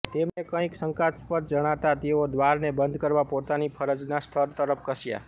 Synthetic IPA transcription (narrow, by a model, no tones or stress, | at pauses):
t̪emnekə̃ĩksəŋkat̪spəɾd͡ʒəɽ̃at̪at̪eod̪ʋaɾnebənd̪ʱkəɾʋapot̪anipʰəɾəd͡ʒnast̪ʰəɾt̪əɾəp̚ʰkəʃja̰